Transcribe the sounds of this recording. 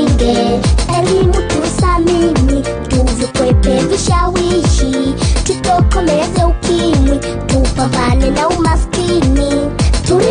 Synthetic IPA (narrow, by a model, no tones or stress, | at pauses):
ŋɡɛɛɾinutusamimi | tuvikwɛpɛviʃawiʃititɔkɔmɛzɛukʰimwi | tupaβalɛnaumaskinituɾi